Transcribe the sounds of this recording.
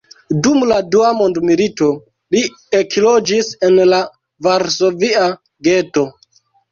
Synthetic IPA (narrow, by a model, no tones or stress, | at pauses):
dumladuamo̞ndmilito̞ | li | ekilo̞d͡ʒise̞nla | vaɾso̞via | ɡe̞to̞